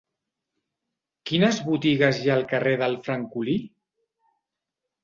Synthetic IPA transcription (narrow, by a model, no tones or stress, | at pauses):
kinəzβut̪iɣəzjaːlˠkəreðəlˠfɾəŋkuli